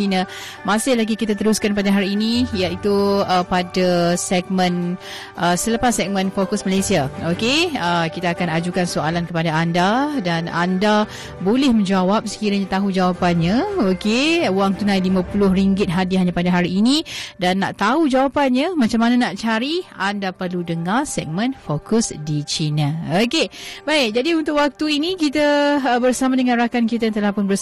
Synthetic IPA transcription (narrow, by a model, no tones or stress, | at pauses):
ina | masɪhlaɡikit̪at̪əɾuskanpadaɦaɾiːnijaʔit̪uəpadasɛɡ̚mə̃n | ʔəsələpasːɛk̚mə̃nfokʊsmalasiaokeəkit̪aːkanad͡ʒukansoalankəpadaandadana̰nda | bolɪhmə̃ɲd͡ʒawap̚sə̥kiɾaɲat̪aɦud͡ʒawapanɲaokeuwaŋt̪unajlimãpulʊhriŋɡɪt̪̚ɦadiɦaɲapadaɦaɾiːnidanːa̰ʔt̪aud͡ʒawapanɲamãt͡ʃamːananaʔt͡ʃaɾiandapərludəŋarsɛ̰k̚mə̃nfokʊsdit͡ʃinaokebaɪk̚d͡ʒadiunt̪ʊkwak̚t̪uinikit̪abərsamadəŋãnrakankit̪ant̪əlahpʊnbə